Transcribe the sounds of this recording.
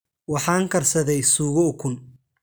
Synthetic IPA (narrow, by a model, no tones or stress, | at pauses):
wɑħɑːŋkʰɐrsɐðɛjsuːɣɔkʰʊn